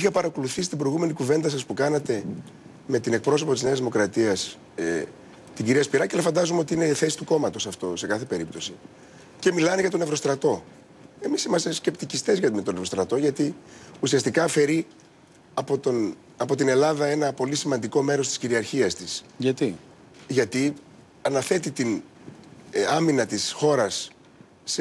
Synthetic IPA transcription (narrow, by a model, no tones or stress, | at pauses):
ixɐpɐɾɐko̞luθisi̥t̪ibɾo̞jɣume̞nikuve̞nd̪ɐsɐspukɐnɐt̪e̞ | me̞t̪ine̞k̚pɾo̞so̞po̞t̪izne̞ɐzðimo̞kɾɐt̪iɐs | t̪iɟiɾiɐspiɾɐcelɐfɐnd̪ɐzumeo̞t̪iine̞iθe̞si̥t̪uko̞mɐt̪o̞sɐft̪o̞se̞kɐθe̞pe̞ɾip̚t̪o̞si | ce̞milɐneʝɐt̪o̞nevɾo̞st̪ɾɐt̪o̞ | e̞misimɐst̪esce̞pt̪icist̪ezʝɐmet̪onevɾo̞st̪ɾɐt̪o̞ʝɐt̪iusiɐst̪ikɐfe̞ɾi | ɐpot̪on | ɐpo̞t̪ine̞lɐðɐe̞nɐpo̞lisimɐnd̪iko̞me̞ɾo̞st̪i̥sciɾiɐɾçiɐst̪isʝɐt̪i | ʝɐt̪i | ɐnɐθe̞t̪it̪in | ɐminɐt̪isxo̞ɾɐsː